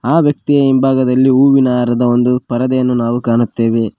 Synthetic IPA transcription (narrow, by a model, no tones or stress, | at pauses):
aːʋjɐk̚t̪ijeimbʱaːɡɐd̪ɐlːiuːʋinaːɾɐd̪ɐo̞nd̪upɐɾɐd̪ɐjɐnːunaːʋukaːnut̪ːe̞ːʋe